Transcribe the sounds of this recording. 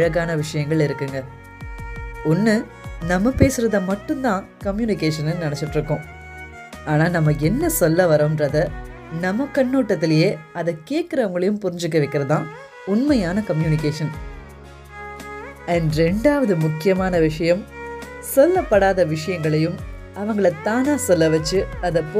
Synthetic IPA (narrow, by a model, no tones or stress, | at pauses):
ɐɻɐɣaːnɐʋɪʂɐjɐŋɡɐɭɪɾɯkːɯŋɡɐ | ʊnːɯ | nɐmːɐpeːsɯɾɐðɐmɐʈːɯnt̪ãːkɐmjuːnɪkeːʂɐnɯnɐnɐt͡ʃːɪʈːɾɯkːʊ̃ | aːnaːnɐmːɐɛnːɐsɔlːɐʋɐɾoːnɾɐðɐ | nɐmːɐkːɐnːoːʈːɐt̪ːɪlɐjeːɐðɐkeːʈkɪɾɐʋɐŋɡɐɭɐjɯmpʊɾɪɲd͡ʒɯkːɐʋɐɪkːɪɾɐðãː | ʊnmɐjaːnɐkɐmjuːnɪkeːʂɐn | ɐːnɖɾɛɳɖaːʋɐðɯmʊkːɪjɐmaːnɐʋɪʂɐjɐm | sɔlːɐpːɐɽaːðɐʋɪʂɐjɐŋɡɐɭɐjɯm | ɐʋɐŋɡɐɭɐt̪ːaːnaːsɔlːɐʋɐt͡ʃːɯɐðɐpːoː